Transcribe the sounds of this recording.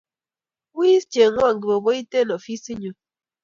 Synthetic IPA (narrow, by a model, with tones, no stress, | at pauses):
wi˦st͡ʃe˨ŋɔ˦˨ŋɡi˨bo˨bo˦i˦te˦˨no˨fi˦si˦ɲu˨